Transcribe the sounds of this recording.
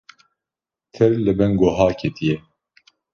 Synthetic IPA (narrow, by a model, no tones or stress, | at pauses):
t̪ʰɛɾlɨbɛŋɡoɦaːkʰet̪ʰijɛ